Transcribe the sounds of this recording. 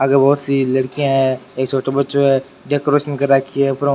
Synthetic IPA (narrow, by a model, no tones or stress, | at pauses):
ɐɡəɾbɔɦʊt̪silɐɽkijãɦɛ̃eːk̚t͡ʃʰoːʈabɐt̪ːt͡ʃoɦɛ | ɖeːkoɾeːʃənkɐɾːakʰiɦɛpɾõ